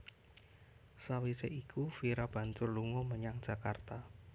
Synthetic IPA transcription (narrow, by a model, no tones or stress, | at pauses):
sawiseʔikufiɾab̥ä̤nt͡ʃʊrluŋɔməɲaŋd̥ʒ̥ä̤kart̪a